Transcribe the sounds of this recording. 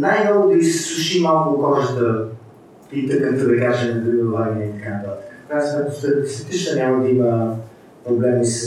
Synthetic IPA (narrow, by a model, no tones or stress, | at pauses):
najmnɔɡʊd̪əisɛ̥slˠuʃimalˠkʊkɔʒət̪ə | it̪əkːət̪əd̪ɐkaʒɛnɐzɾiəɾovaniɛit̪ɐkanət̪at̪ə̥kə̥fnasmɛt̪ost̪ɛst̪ɐt̪it͡ʃnənʲaməd̪əimə | pɾoblɛmis